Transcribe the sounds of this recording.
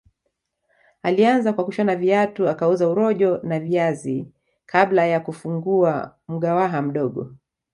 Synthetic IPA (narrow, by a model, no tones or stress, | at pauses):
alianzakwakuʃanaviatuakauzauɾɔʄɔnaviazi | kʰaɓlajakufuŋɡua | m̩ɠawaɦam̩ɗɔɠɔ̰